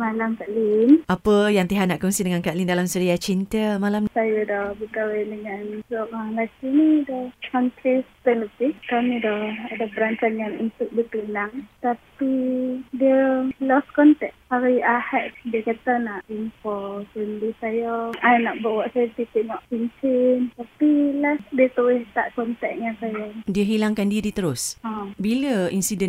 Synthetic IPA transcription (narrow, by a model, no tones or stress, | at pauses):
malamkaʔlinʔapəjaŋt̪iɦaʔnaʔkuŋsidəŋankaʔlindalamsəɾiat͡ʃint̪əmalamsajadɔbəkawedəŋanlɔʔaŋlakinidɔhkant̪ɾist̪ələpikamidɔhadapəɾaɲt͡ʃanjaŋunt̪uʔ̚dit̪unaŋt̪apidiəlɔskɔnt̪ɛk̚aɾiahɛtdiəkat̪anaʔimpɔsəndisajɔajnaʔbawaʔsajət̪it̪iʔnɔʔpiɲt͡ʃɪnt̪apilasdiət̪uwɪht̪a̰ʔkɔnt̪ɛk̚jaŋsajadiəɦilaŋkandiədit̪əɾʊsãbiləinsidən